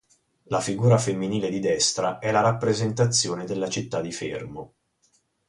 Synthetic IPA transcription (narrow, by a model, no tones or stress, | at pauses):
lafiɡuːɾafemːiniːled̪id̪ɛst̪ɾaʔɛlaɾapːɾezent̪at̪sːjoːned̪elːat͡ʃit̪ːad̪ifḛrmo